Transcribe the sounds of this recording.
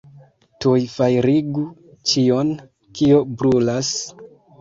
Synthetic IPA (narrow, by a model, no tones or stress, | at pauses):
tujfajɾiɡu | t͡ʃion | kiobɾulas